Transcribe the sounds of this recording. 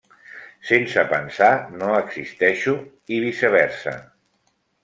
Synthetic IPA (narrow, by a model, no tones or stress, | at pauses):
sensəpənsanoəɡsist̪ɛʃu | iβisəβɛɾsə̰